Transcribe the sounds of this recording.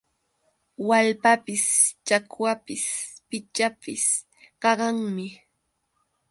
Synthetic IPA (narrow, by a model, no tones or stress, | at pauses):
walpapɪst͡ʃakwapɪspɪt͡ʃapɪs | kɑɢɑŋmɪ